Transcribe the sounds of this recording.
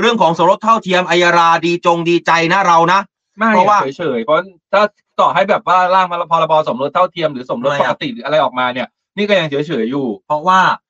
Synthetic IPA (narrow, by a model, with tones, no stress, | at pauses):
ɾɯ˥˩əŋkʰɔː˩˦ŋso˩˦mɾo˦˥t̪ʰːa˥˩wt̪ʰi˧əmʔa˧jaː˧ɾaː˧diː˧t͡ɕo˧ŋdiː˧t͡ɕa˧jna˦˥˩ɾa˧wna˦˥ʔ | ma˥˩˨ɾɔ˦a˥waː˥˩˦jt͡ɕʰɤː˩˦jpʰɔ˦˥t̪ʰaː˥˩˦t̪ɔː˨˩ɦa˥˩jbɛː˨˩p̚waː˥˩laː˥˩ŋpʰa˧la˧pʰɔː˧la˧bɔː˧so˩˦mɾo˦˥˩t̪ʰːa˥˩wt̪ʰi˧əmɾɯː˩˦so˨˩˦mɾo˦˥pːa˧t̪ḭ˨˩ɾɯː˩˦ʔa˧ɾa˧jʔɔː˨˩k̚maː˧ni˧˥˩ə | niː˥˩kɔː˥˩ja˧ŋt͡ɕsi˩˦jt͡ɕʰɤː˩˦jːuː˨˩pʰɾɔ˦˥waː˥˩